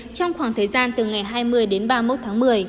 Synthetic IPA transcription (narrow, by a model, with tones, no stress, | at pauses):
t͡ɕɔ˧wŋ͡mxwaː˧˩ŋt̪ʰəː˨˩jzaː˧nt̪ɨ˨˩ŋa˨˩jɦaː˧jmɨ˧əjɗe˨˦nɓaː˧mo˦˥t̚t̪ʰaː˨˦ŋmɨ˨˩əj